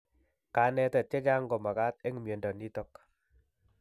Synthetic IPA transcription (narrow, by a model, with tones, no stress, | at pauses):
ka˨˦nɛ˦ta˨t͡ʃe˦d͡ʒa˦ŋɡɔ˨ma˨ka˦te˦ŋ˨mje˨ndɔ˨ni˦tɔ˦k